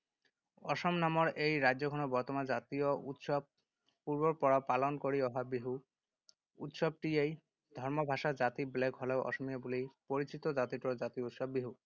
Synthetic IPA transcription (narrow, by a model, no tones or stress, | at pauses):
ɔʃɔmnamoɾejɾad͡ʑoɡʱɔnobɔɾt̪omad͡ʑat̪iout̪ʃɔb̚ | puɾboɾpɔɾapalonkoɾiɔɦabiɦu | ṵt̪ʃɔb̚ʈiej | d̪ʱɔɾmobʱaʃad͡ʑat̪iblekɦɔleoʔɔ̰ʃomijabulipoɾit͡ɕit̪od͡ʑat̪iʈod͡ʑat̪iut̪ʃɔbːiɦu